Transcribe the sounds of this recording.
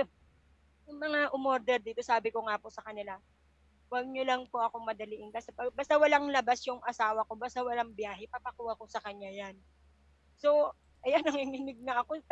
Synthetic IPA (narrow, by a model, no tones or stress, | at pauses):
jʊŋmɐŋaʔʊmoɾd̪ɛɾd̪iːt̪o̞saːbɪko̞ŋapo̞sɐkɐnɪla | wɐɡ̚ɲolɐŋpoʔɐko̞mɐd̪ɐlɪʔɪnkasɛpɐɡ̚baːst̪awɐlaŋlɐbasjʊŋʔɐsaːwɐko̞baːst̪awɐlaŋbjaːɦɛpɐpɐkuːhɐko̞sɐkɐɲːajan | so̞ | ʔɐjanɐŋhɪnɪnɪɡ̚nɐʔɐko̞